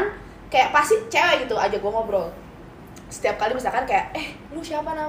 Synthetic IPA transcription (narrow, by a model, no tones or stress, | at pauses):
n | kajaʔpasit͡ʃewɛɡit̪uad͡ʒaɡuaŋɔmbɾɔl | sə̥t̪iap̚kalibisakankajaʔɛh | lusiapana